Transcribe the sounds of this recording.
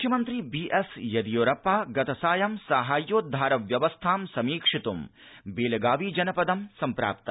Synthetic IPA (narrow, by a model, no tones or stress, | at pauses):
mukʰjɐmɐnt̪ɾiːbiːʔesjɐd̪ijoːɾɐpaːɡɐt̪ɐsaːjɐmsaːɦaːjːoːd̪ʱaːɾɐʋjɐʋɐst̪ʰaːmsɐmiːkʂit̪umbeːlɐɡaːʋiːd͡ʒɐnɐpɐd̪ɐmsɐmpɾa̰ːpt̪ɐ